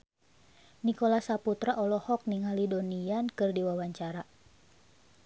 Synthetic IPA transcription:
nikolasaput̪ɾaʔɔlɔhɔk̚niŋalidoniankɨrdiwawaɲt͡ʃaɾa

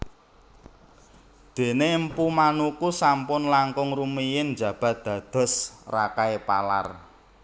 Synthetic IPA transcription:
d̪̥e̤nempumanukusampʊnlaŋkʊŋrumijɪnnd͡ʒä̤b̥a̤t̪̚d̪̥ä̤d̪̥ɔ̤srakaepa̰la̰r

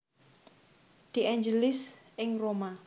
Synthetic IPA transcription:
d̪̥i̤ʔɛɲd͡ʒəlɪsʔɪŋroma

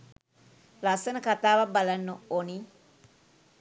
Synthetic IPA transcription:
lasenəkat̪aːʋabalanːuoni

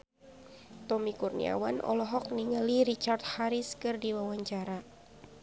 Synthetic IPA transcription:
t̪ɔmikurnḭa̰wanʔɔ̰lɔɦɔk̚niŋəliɾit͡ʃart̪̚haɾiskɨrdiwawaɲt͡ʃaɾa

